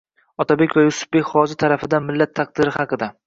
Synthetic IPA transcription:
ɒt̪ʰabe̞kʲvajʊsʊ̥b̚bekʲχɒzɪt̪ʰaɾafɪd̪anmɪlːat̪ʰːaq̚d̪̥ɪɾɪhɑqɨd̪a

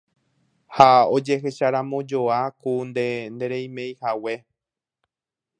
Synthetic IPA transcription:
haod͡ʒe̞ɦe̞ʃaɾãmõ̞d͡ʒo̞akund̪end̪e̞ɾe̞jmẽ̞jhawe̞

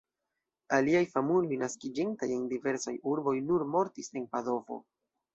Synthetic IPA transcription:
aliajfamulojnaskid͡ʒintaje̞ndive̞ɾsajuɾbo̞jnuɾmo̞ɾtise̞npado̞vo̞̰

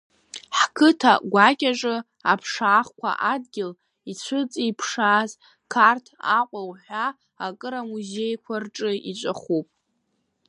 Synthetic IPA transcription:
ħkʰɨtʰa̰ɡʷakʲʼaʈ͡ʂʼɨ | apʰʂaːχkʷa̰ʔadɡʲɪl | it͡ɕʷʰɨt͡sʼiipʰʂaːz | kʰartʰaqʷʼawħʷᶣaː | kʼɨɾamuzejkʷʰarʈ͡ʂʼɨit͡ʃʷʼaχupʼ

